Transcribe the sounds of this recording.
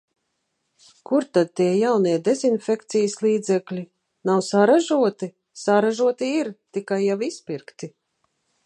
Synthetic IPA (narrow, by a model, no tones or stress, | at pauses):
kuɾt̪ad̪̚t̪iɛjawniɛd̪ezinfʲɛkt̪sijəslˠiːd̪zɛklʲi | nawsaɾaʒuɔt̪i | saɾaʒuɔt̪iiɾt̪ikajːawispiɾkt̪i